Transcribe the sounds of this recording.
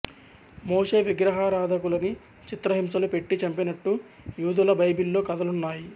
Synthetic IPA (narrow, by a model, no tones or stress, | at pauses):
moːʂe̞ːʋiɡɾɐɦaːɾaːd̪ʱɐkulɐni | t͡ʃit̪ɾɐɦims̬ɐlupe̞ʈːit͡ʃɐmpinɐʈːu | juːd̪ulɐbɐjbilːo̞ːkɐd̪ɐlunːaːji